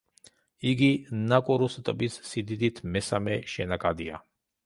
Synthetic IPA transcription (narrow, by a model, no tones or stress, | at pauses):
iɡinakʼɔɾust̪ʼbisːid̪id̪it̪ʰmɛsamɛʃɛnakʼad̪ia̰